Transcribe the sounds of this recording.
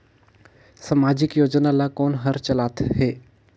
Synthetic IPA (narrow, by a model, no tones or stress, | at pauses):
səmaːd͡ʒɪkjoːd͡ʒnalakoːnɦəɾt͡ʃəlaːt̪ʰɦeː